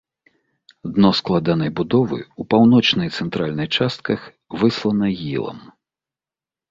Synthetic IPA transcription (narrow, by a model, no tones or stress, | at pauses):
d̪nɔsklˠad̪an̪ɐjbud̪ɔvɨ̰upawnɔt͡ʂnɐjt̪sɛnt̪ɾalʲnɨjt͡ʂast̪̚kɐx | vɨslˠɐnɐɣʲḭlˠɐ̰m